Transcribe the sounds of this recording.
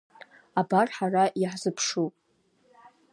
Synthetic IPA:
abarħaraʔiħzɨpʰʂupʼ

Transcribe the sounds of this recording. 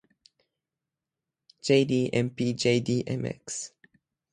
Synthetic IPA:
d͡ʒeɪdiːʔɛ̃mpid͡ʒeɪdiʔɛ̰mɛ̰ks

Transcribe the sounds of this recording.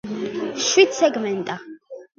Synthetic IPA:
ʃwid̪sɛɡmɛnt̪ʼa

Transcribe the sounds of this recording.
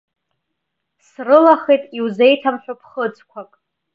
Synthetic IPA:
srɨlaχejtʼiwze̞jtʰamħᶣapʰχəd͡zʼkʷʰakʼ

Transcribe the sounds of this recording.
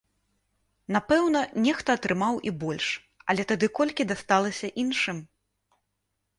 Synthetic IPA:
napɛwnɐnʲɛxt̪ɐːt̪ɾɨmawʔibɔlʲʂ | ɐlʲɛt̪ad̪ɨkɔlʲkʲid̪ast̪alˠɐsʲɐʔinʂɨm

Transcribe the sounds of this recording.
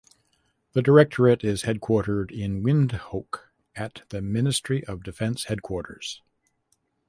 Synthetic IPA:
ðɨdə˞ɛk̚tʰə˞ɨɾɪz̥hɛd̚kʰw̥ɔɹɾə˞ɾɪ̃nwɪ̃ndhoʊk | ɨt̪̚ðɨmɪ̃nɨstɹ̥iʔʌvdɨfɛ̃nshɛd̚kʰw̥ɔɹɾə̰˞z̥

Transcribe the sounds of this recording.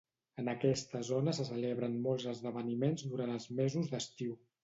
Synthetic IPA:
ənəkɛst̪əzonəsəsəleβɾənmolˠzəzðəβənimenzd̪uɾanəlˠzmezuzd̪əst̪iw

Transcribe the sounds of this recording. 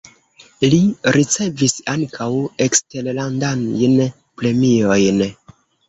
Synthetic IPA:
liɾit͡se̞visaŋkʰawekste̞ɾlandanjn | pɾe̞mio̞jn

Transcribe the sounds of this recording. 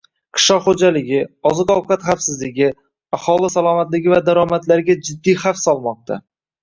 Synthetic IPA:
qʰɨ̥ʃɒχod͡ʒalɪɡʲɪɒzɨqɒwqat̪χafsɪzlɪɡʲɪ | ahɒlɪsalˠɒmat̪lɪɡʲɪvad̪aɾɒmat̪laɾɡʲad͡ʒɪd̪ːijhafsɒlˠmɒq̚t̪ʰa̰

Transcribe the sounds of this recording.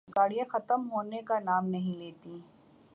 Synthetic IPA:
kaːɽijãxɐt̪əmɦoːnekanaːmnɐɦĩleːt̪i

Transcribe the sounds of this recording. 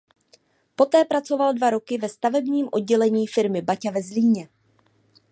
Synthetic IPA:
po̞t̪ɛːpɾat͡so̞valdvaɾo̞kɪvɛst̪avɛbɲiːmʔo̞d̚ɟɛlɛɲiːfɪɾmɪbacavɛzliːɲɛ

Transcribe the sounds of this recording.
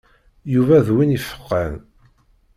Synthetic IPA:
juvæðwinifə̥qːə̰n

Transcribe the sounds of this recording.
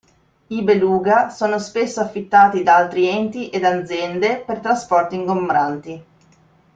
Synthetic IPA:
ibeluːɡasoːnospesːoafːit̪ːaːt̪id̪aalt̪ɾiɛnt̪iʔed̪ad̪zjɛnd̪epert̪ɾaspɔrt̪iŋɡombɾant̪i

